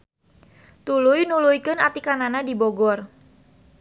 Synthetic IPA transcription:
t̪ulujnulujkənat̪ikananadiboɡɔr

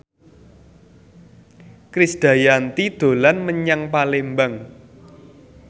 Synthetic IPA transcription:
kɾisd̪̥ä̤jant̪id̪̥o̤lanməɲaŋpalembaŋ

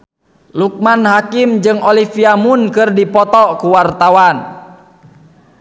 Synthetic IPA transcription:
luk̚manhakimd͡ʒɨŋɔlifiamunkɨrdipɔt̪ɔkuwart̪awan

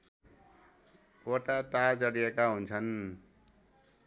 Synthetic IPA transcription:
oʈat̪ad͡zʌɽijekaɦunt͡sʰʌn

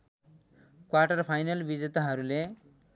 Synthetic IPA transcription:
kwaʈʌrpʰajnʌlbid͡zet̪aɦʌɾule

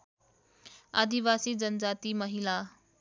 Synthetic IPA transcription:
a̰d̪iʋasiːd͡zənəd͡zat̪iːməɦila

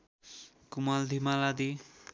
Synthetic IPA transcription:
kumald̪ʱimalad̪i

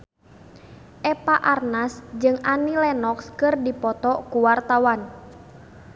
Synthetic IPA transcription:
ʔɛpaʔarnasd͡ʒɨŋanilɛnɔkskɨrdipɔt̪ɔkuwart̪awan

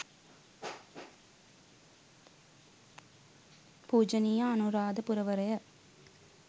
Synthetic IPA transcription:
puːd͡ʒɐnijɐːnuɾaːd̪ɐpʊɾɐʋɐɾɐjɐ

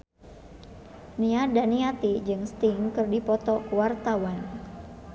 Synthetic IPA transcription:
niadaniat̪id͡ʒɨŋst̪iŋkɨrdipɔt̪ɔwart̪awan

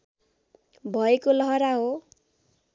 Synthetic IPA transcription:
bʱʌekolʌɦʌɾaɦo

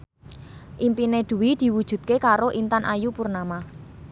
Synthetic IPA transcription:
ʔimpined̪̥ṳwid̪̥i̤wud̥ʒ̥ṳt̪̚kekaɾoʔint̪anʔajupurnama

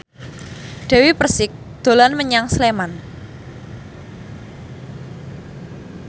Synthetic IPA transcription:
ɖ̥ɛ̤wipərsɪk̚ | d̪̥o̤lanməɲaŋsleman

